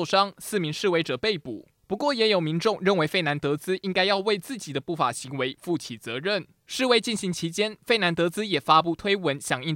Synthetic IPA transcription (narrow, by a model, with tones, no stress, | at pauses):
ʂɑ˥ŋsɹ̩˥˩mi˧˥ŋʂɻ̩˥˩we˧˥ɪʈ͡ʂɤ˨˩pe˥˩ɪpṵ˨˩˦ | pu˧˥kwɔ˥˩jɛ˨˥jo˨˩ʊmi˧˥ŋʈ͡ʂʊ˥˧ŋɻə˥˩nwe˧˥ɪfe˥˩ɪna˧˥nt̪ɤ˧˦˥t͡sɹ̩˥i˥ŋka˥ɪjɑ˥˧ʊwe˥˧ɪt͡sɹ̩˥˩t͡ɕi˨˩d̪ə˦pu˥˩fa̰˨˩ɕi˧˥ŋwe˧˥ɪfu˥˩t͡ɕʰi˨˩t͡sɤ˧˦ɻə˥˩n | ʂɻ̩˥˧we˥˧ɪt͡ɕi˥˩nɕi˧˥ŋt͡ɕʰi˧˥t͡ɕjɛ˥nfe˥˩ɪna˧˥nt̪ɤ˧˥t͡sɹ̩˥jɛ˨˩fa˥p̬u˥˩t̪ʰwe˥ɪwə˧˦nɕjɑ˨˩ŋi˥˩